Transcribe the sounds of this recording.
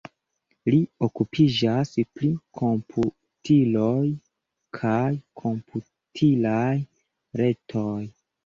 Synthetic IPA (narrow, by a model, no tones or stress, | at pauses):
liokupʰid͡ʒasplikʰo̞mpʰu | tʰiloj | kʰajkʰo̞mpʰu | tʰilaj | ɾe̞tʰoj